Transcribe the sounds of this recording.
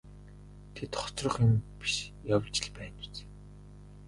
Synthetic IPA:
t̪ʰet̪χɔ̥t͡srɞ̆χenpi̥ʃjawt͡ɕɪ̆ɮpæːnu̥t͡s

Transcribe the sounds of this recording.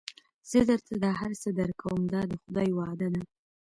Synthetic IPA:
z̥əd̪əɾt̪ʰad̪ɑɦaɾsəd̪əɾkʰawəmd̪ɑd̪əxʊd̪ɑjwɑd̪ad̪a

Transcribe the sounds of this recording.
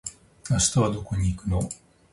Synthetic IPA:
naɕi̥t̪aβad̪o̞ko̞ɲ̟iːkɯ̟no

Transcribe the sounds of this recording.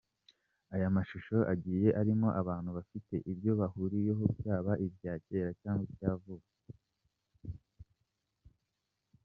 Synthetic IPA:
ajamaʃuʃo̞ʔaɟiːje̞ʔaɾimo̞ʔaβaːn̥huβafite̞ʔiβjo̞βahuɾije̞ɦobjaːβaʔibɟaːce̞ɾacaːŋɡwijaːvuːke

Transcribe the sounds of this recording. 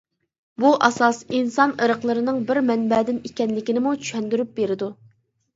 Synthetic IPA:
buʔɑsɑsinsɑnəɾəqlˠəɾɨnɨŋbɪɾmɛnbɛd̪ɪnekʲɛnlɪkʲinɪmut͡ʃʰy̥ʃɛnd̪yɾyp̚beɾɪd̪u

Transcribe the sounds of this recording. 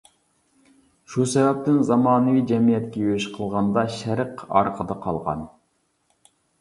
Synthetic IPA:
ʃusɛvɛp̚t̪ɪnzɑmɑːnɨvid͡ʒɛmijɛt̪kʲɛjøʃqʰəlˠʁɑnd̪ɑʃæɾəqɑ̰ɾqʰəd̪ɑqʰɑ̰lˠʁɑ̰n

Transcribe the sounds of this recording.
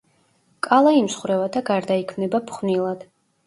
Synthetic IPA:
kʼalˠaimsχwɾɛvad̪aɡaɾd̪aikʰmnɛbapʰχvnilˠad̪̥

